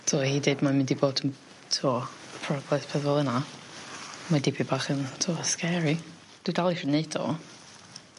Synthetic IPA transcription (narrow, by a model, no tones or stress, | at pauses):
tʰɔhiːdeɨdmamɪndiboːdən | tʰuːpʰrɔɡlɛθpʰɛðɔlˠəna | madɪbibaːχəntʰuːskɛɾi | d̥ɪdalˠirəneɨdɔ̰